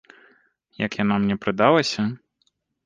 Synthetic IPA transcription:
jɐkjanamnʲɛpɾɨd̪alˠɐsʲɐ

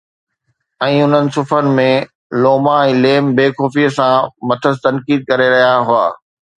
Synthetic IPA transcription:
ɛ̃ːʊn̤ənɪ̆sʊfənɪ̆mẽ | loːmaɛ̃ːleːmbeːxɔːfiːsãmɐt̪ʰəzt̪ɐ̃nkiːd̪̚kɐɾeɾɐɦijaɦʊa̰ː

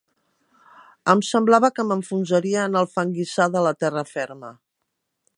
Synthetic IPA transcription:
əmsəmblaβəkəməɱfunzəɾiəːnəlˠfəŋɡisaðələt̪ɛrəfɛɾmə

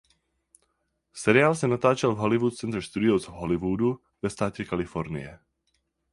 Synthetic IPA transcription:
sɛɾɪaːlsɛnat̪aːt͡ʃɛlvɦɔlivuːt̪̚t͡sɛnt̪ɾɛst̪ud̪ɪozvɦɔlivuːd̪u | vɛst̪aːcɛkalɪfɔɾnɪ̰jɛ

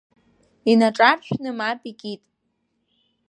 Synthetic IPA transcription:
inaʈ͡ʂʼarʃᶣnɨmapʼikʲʼitʼ

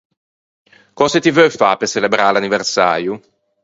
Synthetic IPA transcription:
kɔːset̪ivøfapeselebɾaːlaniversaːɾju

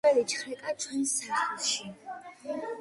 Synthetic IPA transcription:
ɛlit͡ʃʰχɾɛkʼat͡ʃʰwɛnsaχɛlˠʃi

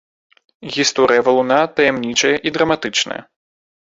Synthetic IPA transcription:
ɣʲist̪ɔɾɨjɐvɐlˠunat̪ɐjɛmnʲit͡ʂɐjɐʔid̪ɾɐmat̪ɨt͡ʂnɐ̰jɐ̰

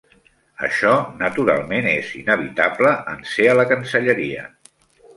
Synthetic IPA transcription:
ə̰ʃɔnət̪uɾa̰lˠmenezinəβit̪abləʔənseələkənsəʎəɾiə̰

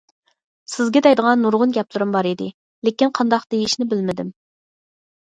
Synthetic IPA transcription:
sɪzɡʲɛd̪ɛjd̪əʁɑnːuɾʁʊnɡʲɛplˠɨɾɨmbɑɾid̪ɪ | lekʲinqʰɑnd̪ɑqd̪̥ejiʃnɪbɪlmɪd̪ɪm

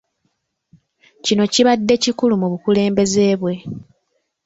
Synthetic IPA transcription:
cino̞ciβadːe̞cikulumuβukule̞ːmbe̞ze̞ːβwe̞

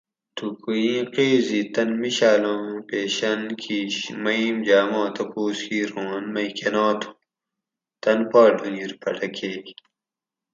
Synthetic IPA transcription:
t̪ukujĩːqeːzit̪ɐnmiɕaːlõːpeːɕɐnkʰiɕmɐimd͡ʑaːmõːt̪ɐpoːskiːɾõːnmɐkenaːt̪ʰu̥ | t̪ɐnpaːɖuniɾpʰɐʈɐkʰeː

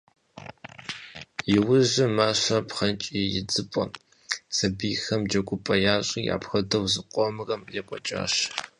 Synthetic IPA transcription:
jɪwʊʑɪmaːɕɐpχɐnt͡ʃʼijɪ̰d͡zɨpʼɔ̰n | sɐbiːxɐmd͡ʒɐɡʷʼʊpʼɐjaːɕʼiːja̰ːpxɐdɐwzɨqʷʼɔmɨrɐmjɛpʷʼɔt͡ʃʼa̰ːɕ

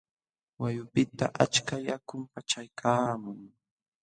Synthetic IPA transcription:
wajʊpɪt̪a̰ʔa̰t͡ʃkajakʊmpat͡ʃajkʰaːmʊŋ

